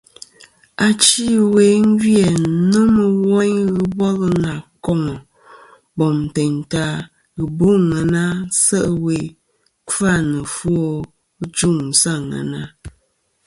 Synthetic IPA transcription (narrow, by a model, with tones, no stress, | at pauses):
a˨t͡ʃi˦we˨˦ŋ̩˦ɡjɛ˨nə˦mə˨wɔ˦ɲɣɨ˦bɔ˦ɣə˦na˨kɔ˦˨ŋɔ˨ | bɔ˨m˨te˨ɲta˦ | ɣɨ˨bo˦ŋə˨na˦sə˦ʔwe˨ | ka˦˨nə˨fwo˦ | ɣd͡ʒu˦˨ŋ˨sa˦˨ŋa̰˨na˦